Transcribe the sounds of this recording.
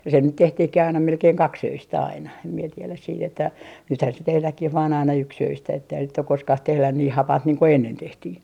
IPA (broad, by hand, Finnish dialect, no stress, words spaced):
se nyt tehtihkih ɑinɑ melkeiŋ kɑksøistæ ɑinɑ em mie tielæs siːt etːæ nythæn se tehlækːih ʋɑːn ɑinɑ yksøistæ etːeihæs sit ok koskɑh tehlæn niː hɑpɑnt niːŋ ko enːen tehtiː